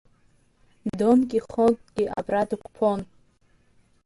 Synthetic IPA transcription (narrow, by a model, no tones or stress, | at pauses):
domkʲʼiχotʼɡʲiʔa̰bradɨkʷʰpʰon